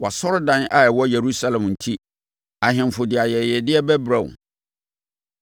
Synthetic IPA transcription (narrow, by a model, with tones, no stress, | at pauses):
wa˨sɔ˦ɾdã˦na˦˨wɔ˦je˨ɾu˦sa˦lɛ̃˨mn̩˨tʰi˦ | a˨ɦɪ̃˨m˨fʊ˨dɪ˨a˨jɛ˨jɛ˨dɪ˦ɛ˦bɛ˦bɾã˨w̰